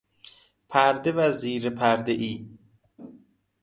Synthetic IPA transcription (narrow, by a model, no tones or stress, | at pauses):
pʰæɾd̪evæziːɾepʰæɾd̪eʔiː